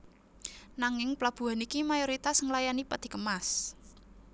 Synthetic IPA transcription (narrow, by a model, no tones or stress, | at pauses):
naŋɪŋplab̥ṳɦanikimajoɾit̪asŋəlajanipəd̪̥i̤kəmas